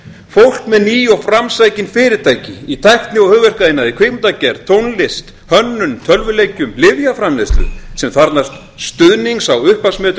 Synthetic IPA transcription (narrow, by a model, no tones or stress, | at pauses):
fowl̥kmɛðniːjɔfɾamsaːjcɪnfɪɾɪɾt̪ʰaːjcɪit̪ʰajht̪nɪɔhʏːɣvɛr̥kaðɪnːaðikʰvejmt̪acɛɾ̥t̪ʰownlɪst̪ | hœnːʏmt̪ʰœlvʏlejcʏmlɪvjafɾamlest̪lʏ̰sɛmθaɾt̪nast̪ | st̪ʏðniŋksawʏhpasmɛːt̪